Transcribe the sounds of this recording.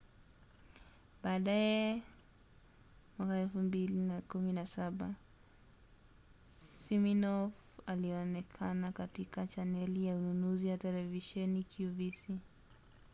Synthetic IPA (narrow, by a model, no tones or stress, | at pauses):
ɓaːɗajɛ | mwakaɛlfumbilinakuminasaɓa | siminɔvaliɔnɛkʰanakatikat͡ʃanɛlijaununuziwatɛlɛviʃɛnikjuvisi